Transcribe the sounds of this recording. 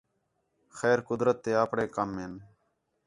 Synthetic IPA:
xɛːɾkʊd̪ɾət̪ːeːaːpɽeːkəmːeːn

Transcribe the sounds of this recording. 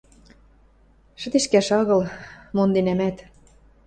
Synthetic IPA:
ʃə̆t̪eʃkæʃɑɣɤ̆lmond̪enæmæt̪

